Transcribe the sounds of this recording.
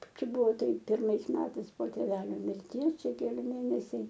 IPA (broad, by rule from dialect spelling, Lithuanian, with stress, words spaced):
ˈt͡ʃʲɛ ˈbʊʋoː ˈtɐɪp pʲɪrˈmɐɪs ˈmʲæːtɐɪs poː tʲeːˈʋʲæːlʲoː mʲɪrʲˈtʲiɛs ˈt͡ʃʲɛ kʲɛˈlʲɪ ˈmʲeːnʲɛsʲɛɪ